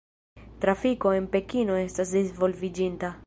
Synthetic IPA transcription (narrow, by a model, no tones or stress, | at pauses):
t̪ɾafikoempekinoest̪asd̪izvolvid͡ʒint̪a